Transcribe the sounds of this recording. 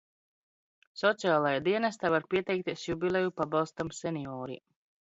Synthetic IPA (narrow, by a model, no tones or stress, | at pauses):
sɔt̪sijaːlˠajad̪iɛnast̪aːvaɾpʲiɛt̪ɛjk̚t̪ʲiɛsjubilʲˠejupabɑlˠst̪amsɛniɔːɾḭ